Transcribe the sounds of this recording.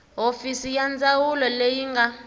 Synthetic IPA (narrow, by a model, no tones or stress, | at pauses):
ɦofisijand͡zawulɔlejiŋɡa